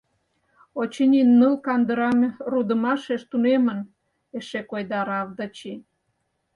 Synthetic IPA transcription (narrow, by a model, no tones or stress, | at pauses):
ot͡ɕənʲinːəlkɑnd̪əɾɑmrud̪ə̆mɑʃeʃt̪unemə̆n | eʃekojd̪ɑɾɑvd̪ɑt͡ɕi